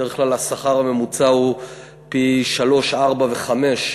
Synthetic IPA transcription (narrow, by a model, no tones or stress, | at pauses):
eeχklalasaχaʁhame̞mut͡sau | piʃalo̞ʃʔaʁbave̞χame̞ʃ